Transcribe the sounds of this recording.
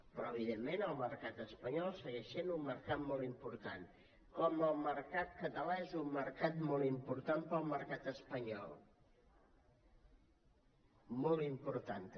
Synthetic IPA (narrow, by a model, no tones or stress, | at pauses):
pɾɔəβ̞iðemːenəlˠməɾkat̪əspəɲɔlˠsəɣɛʃenumːəɾkat̪mɔlˠimpuɾt̪an | kɔməlˠməɾkat̪̚kət̪əlaezumːəɾkat̪mɔlˠimpuɾt̪ampəlˠməɾkat̪əspəɲɔ̰lˠ | mɔlˠimpuɾt̪ant̪